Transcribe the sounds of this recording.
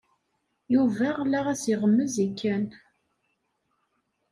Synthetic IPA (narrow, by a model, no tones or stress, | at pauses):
juvæʁlæʁæsiʁəmːəzikːæn